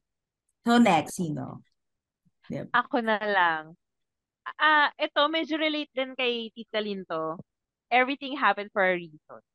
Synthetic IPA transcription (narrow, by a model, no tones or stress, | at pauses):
tonɛksino̰ | ɛ̰ʔɐkonɐlɐŋ | ʔɐʔɛt̪o̞mɛd͡ʒoɾɛlejt̪̚d̪ɪnkɐjt̪it̪̚kɐlint̪o | ʔɛvɹit̪ɪ̃ŋɦapɛ̃nd̪̚fɔɹɐɹiːso̰ɹ